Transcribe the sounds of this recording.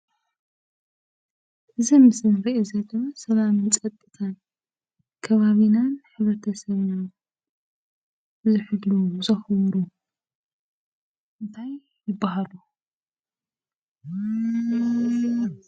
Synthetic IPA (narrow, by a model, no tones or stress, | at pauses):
ʔɨzimɨsɨnɾiʔezɐt̪ʼsɐlamt͡sʼɐt̪ʼːɨt̪ʰan | kʰɐβaβinanħɨβɾɐt̪ʰɐsɐβna | zɨħɨlːuzɐxwɾu | ʔɨnt̪ʰajː | ɪbːahalu